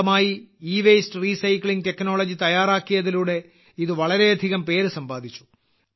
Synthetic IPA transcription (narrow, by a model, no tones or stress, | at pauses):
ɐmaːjiiːʋejstɨriːsɐjkɭiŋɡ̚te̞kːno̞ːɭɐd͡ʑit̪ɐjaːraːkːijɐðiluːɽe̞ | iðɨʋɐɭɐɾe̞ɐd̪ʱiɣɐmpe̞ːɾɨsɐmbaːd̪ʱit͡ɕːu̥